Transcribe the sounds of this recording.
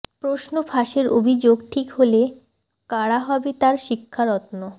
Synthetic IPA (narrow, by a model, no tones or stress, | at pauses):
pɾoʃnofʰaʃeɾʔobʱid͡ʑoɡʈʰikɦole | kaɽaɦɔbet̪aɾʃikʰːaɾɔt̪no